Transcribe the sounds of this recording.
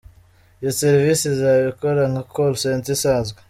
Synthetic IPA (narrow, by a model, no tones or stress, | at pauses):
joseɾvisizaβikoɾaŋhakʰolsentisaːzɡwe